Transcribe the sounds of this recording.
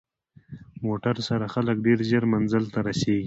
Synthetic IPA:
moʈaɾsaɾaxalək̚ɖeɾʒəɾmanzəlt̪aɾaseɡi

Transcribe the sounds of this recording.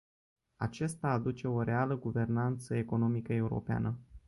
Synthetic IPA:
a̰t͡ʃest̪aːd̪ut͡ʃe̞o̞ɾe̞aləɡuve̞rnant̪səe̞ko̞no̞mikəe̞uɾo̞̰pea̰nə

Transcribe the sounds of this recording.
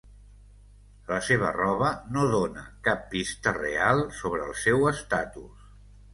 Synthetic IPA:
ləseβə̰rɔβənoðonə̰kapːist̪ərḛalˠsoβɾəːlˠsɛwəst̪at̪us

